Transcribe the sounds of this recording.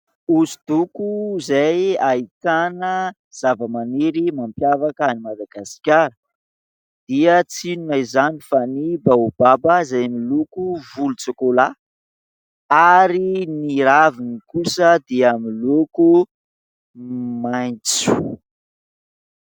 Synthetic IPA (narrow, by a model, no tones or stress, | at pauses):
uzid̪̥ukuzajait̪anə | z̥avəmaneɾimampjavakanimad̪aɡasi̥kʲaɾə | d̪̥iət͡sinunajzanifanibaubabəzajmilukuvulut͡sikola | aɾiniɾavinikusəd̪iamiluku | majnt͡su̥